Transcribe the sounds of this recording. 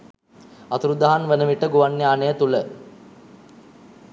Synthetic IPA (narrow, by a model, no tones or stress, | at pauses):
at̪uɾud̪aɦanʋenəʋiʈəɡuʋanːeaːnejət̪ulə